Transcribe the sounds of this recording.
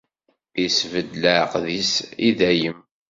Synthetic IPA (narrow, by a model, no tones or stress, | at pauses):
isvəd̪ləʕəqðisiðæjəm